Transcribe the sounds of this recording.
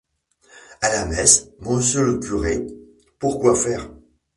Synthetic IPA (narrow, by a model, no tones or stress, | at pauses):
alamɛsmɔ̃sjələkʲyʁe | puʁkwafɛːʁ